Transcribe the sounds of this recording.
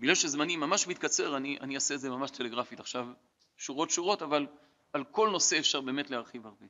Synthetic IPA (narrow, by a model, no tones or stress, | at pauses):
biɡlalʃezmanimːamaʃmit̪kat͡se̞ʁaniʔa̰niaseːtdze̞mamaʃt̪ʰe̞le̞ɡʁafit̪aχʃav | ʃuʁo̞tʃuʁo̞taval | alko̞lno̞se̞efʃaʁbeːme̞tleaʁχivaʁbe